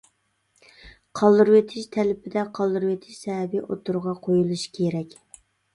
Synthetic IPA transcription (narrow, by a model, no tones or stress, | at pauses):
qʰɑlˠd̪ɨɾwet̪ʰɪʃt̪ʰɛlɪpʰɪd̪ɛqʰɑlˠd̪ɨɾɨwet̪ʰɪʃsɛɦɛbiʔot̪ʰuɾʁɑqʰojulˠuʃi̥kʲʰeɾɛkʲ